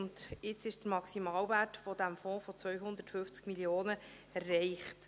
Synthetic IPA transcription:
nd̪ɪt͡sɪʃd̥əɾmɑksimɑːlvæːtfɔd̪æmfɔ̃ːfɔt͡sʋœʏɦʊnd̪ətfʏft͡skmiljoːnə | rɛɪχt

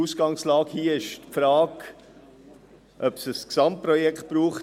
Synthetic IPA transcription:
uːsɡ̥ɑŋslɑːkhiːɪʃtfɾaːɡ | ʔœpsəsksɑmtpɾɔjɛkχtb̥ɾuːχ

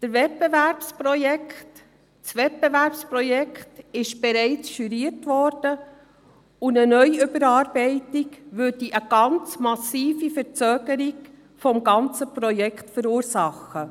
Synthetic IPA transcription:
d̥əɾvɛt̚b̥evæɾpspɾɔjɛkt | t͡sʋɛt̚bɛvæɾpspɾɔjɛktɪʃb̥ɛɾɛɪt͡sʃyɾiətʋɔɾd̥ə | ʊndənœʏʏbəɾɑːɾbɛɪtiɡʋʉːɾd̥iʔəɡ̥ɑnt͡smɑsiːfifəɾt͡søːɡ̥əɾiɡ | fɔmɡɑnt͡səpɾɔjɛkʰtfəɾuːɾsɑχə

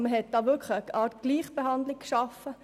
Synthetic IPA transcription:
məɦɛt̚d̥ɑːʋʏkʰlɑːtɡ̥liːχb̥ehɑndlɪk̚kʃɑfə

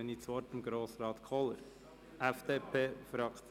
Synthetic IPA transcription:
ɛnit͡sʋɔɾtəmɡɾoːsɾɑːt̪kʰɔlə̰ɾ | ʔæfd̪̥eːpʰeːfɾɑk

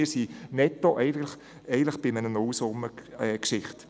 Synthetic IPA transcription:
ɪɾsinɛtːoʔɛɪɡtləχ | ɛɪɡəntləχb̥ɪmənənɔwsʊmːəɛkʃɪχt

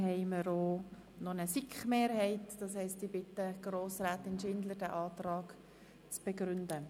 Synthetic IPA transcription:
hɛɪməɾoː | nonəsɪkχmeːɾhɛɪtd̥ɑshɛɪstibɪtəɡ̥roːsɾaːtɪnʃɪndləd̥æʔɑːtrɑːɡ̥ | t͡sb̥ɛɡɾʏndə

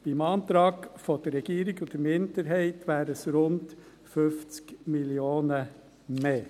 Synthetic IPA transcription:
ɪmɑnt̪ɾɑːɡfod̥əɾːɛɡiːɾɪɡʊd̥̪əmɪndəɾɦæɪtʋæːɾəsɾʊnt | fʏft͡skmɪlioːnə | meː

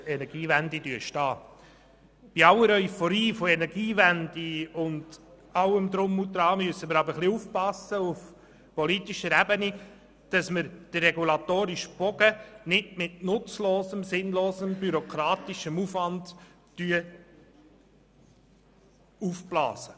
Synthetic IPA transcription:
ɛnɛɾɡ̥iːvændidyəʃtɑː | b̥iɑləɾœʏfɔɾiːfoɛnɛɾɡiːvændiʊnd | ɑwəmd̪ɾʊmutɾɑːmyəsːəməɾɑbəɾχliufpɑsəuf | pɔlitiʃəɾɛbəni | d̥ɑsməɾd̥ərɛɡulɑtoːɾiʃb̥ɔɡənɪdmɪtnʊt͡sloːsəmsɪnloːsəmbyɾɔkʰɾɑːt̪iʃəmufʋɑnd̥ː | yə | ufblɑ̰ːsə

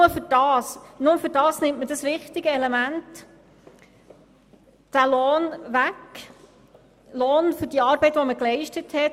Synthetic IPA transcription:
məfʏɾd̥ɑːsnʊməfʏɾd̥ɑːsnɪmtməd̥ɑsʋɪχtɪɡəɛlemænt | d̥æloːnʋæk | loːnfʏɾd̥iɑːɾbɛɪtʋoməklɛɪʃtəthɛt

